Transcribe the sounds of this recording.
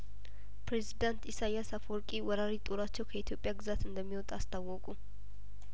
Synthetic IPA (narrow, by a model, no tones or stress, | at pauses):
pʰɾezid̪ant̪isajasafɔɾkʼiwɔɾaɾit̪ʼoɾat͡ʃːɛwkʰəit̪ʰjo̞pʼːjaɡɨzat̪ɨnd̪əmːiwɔt̪ʼast̪ʰawːɔkʼu